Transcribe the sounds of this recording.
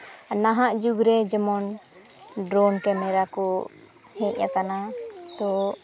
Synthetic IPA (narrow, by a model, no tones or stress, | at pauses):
naɦaʔd͡ʒuɡɾɛd͡ʒɛmɔn | ɖɾɔnkɛmɛɾakɔ | hɛ̃c̚jakanat̪ɔ